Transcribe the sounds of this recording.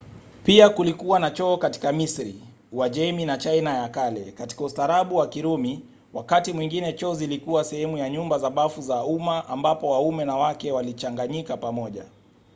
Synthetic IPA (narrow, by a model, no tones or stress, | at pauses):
piakulikuwanat͡ʃɔːkati̥kamisɾi | waʄɛminat͡ʃainajakalɛ̰kati̥kaustaɾaɓuwakiɾumi | wakatimwiŋɡinɛt͡ʃɔːzilikuwasɛhɛmujaɲumbazaɓafuzaumaʔambapɔwaumɛnawakɛwalit͡ʃaŋɡaɲikapamɔʄa̰